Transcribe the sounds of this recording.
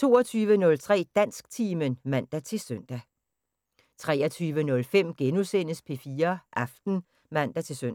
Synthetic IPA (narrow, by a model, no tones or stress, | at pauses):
t͡sʰo̝̰ːɐt͡sʰyːʋənɔ̽lt͡sʰʁɛ̰ːd̥æn̰sɡ̥̚t͡sʰiːmənmæn̰d̥æt͡sʰe̝lsøn̰d̥æ | t͡sʰʁɛːɐt͡sʰyːʋənɔ̽lfem̰ɡ̥enusen̰əspʰe̝fiːɐʔɑfd̥n̩ | mæn̰d̥æt͡sʰe̝søn̰